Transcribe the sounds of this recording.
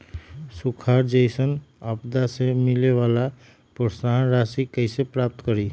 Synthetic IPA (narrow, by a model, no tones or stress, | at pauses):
sukʰaɾd͡ʒəɪsənapd̪asemilewala | pəɾsaɦnɾasikəɪsepɾap̚t̪kəɾi